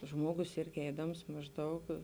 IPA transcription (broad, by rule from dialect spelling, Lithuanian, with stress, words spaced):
ˈʒmuɔɡʊs ˈɪrʲɡʲɪ ˈɛɪdɐms mɐʒˈdɐʊk